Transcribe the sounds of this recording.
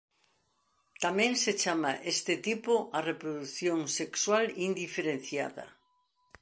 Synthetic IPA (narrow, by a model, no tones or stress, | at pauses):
t̪amẽŋset͡ʃamaʔest̪et̪ipʊʔarepɾoðuθjoŋsekswalind̪ifeɾen̟θja̰ðɐ̰